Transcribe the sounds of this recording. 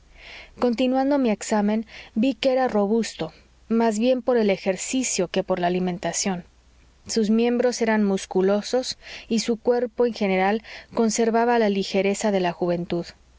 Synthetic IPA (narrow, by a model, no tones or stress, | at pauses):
ko̞nt̪inwand̪omie̞ksamẽ̞nbikeeɾaro̞βust̪o̞ | mazβje̞mpo̞ɾe̞le̞xe̞ɾsisjo̞ke̞po̞ɾlaːlimẽ̞nt̪asjo̞n | suzmjẽ̞mbɾo̞se̞ɾanmuskulo̞so̞sisukwe̞ɾpo̞enxe̞ne̞ɾalko̞nse̞ɾβaβalalixe̞ɾe̞saðe̞laxuβ̞e̞nt̪uð